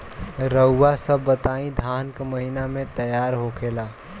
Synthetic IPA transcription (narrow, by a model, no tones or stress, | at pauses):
ɾəʊːasəbːət̪aĩd̪ʱankeməɦinamẽt̪əjaɾɦokʰela